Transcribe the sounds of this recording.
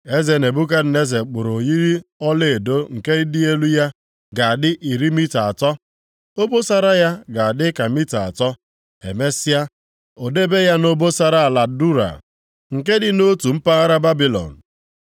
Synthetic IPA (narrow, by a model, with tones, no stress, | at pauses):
e˦ze˨ne˨bu˦ka˦dɪ˨ne˦ze˨k͡pʊ˨ɾo˨ji˦ɾi˦ɔ˦le˦˨e˨do˦ŋ̩˨ke˦dɪ˦e˦lu˦ja˦ | ɡa˨a˨dɪ˦ʔi˨ɾi˦mi˦ta˨a˨tɔ˦ | o˦bo˦sa˦ɾa˦ja˦ɡa˨a˨dɪ˦ka˨mi˦ta˨a̰˨tɔ˦ | ḛ˨me˦sɪ˦a˦ | o˨de˦be˦ja˦no˦bo˦sa˦ɾa˨a˨la˨du˦ɾa̰˨ | ŋ̩˨k̬e˦dɪ˨no˦tu˨m̩˦pa˦ɣa˦ɾa˦ba˦bi˦lɔ̰˨n̩˨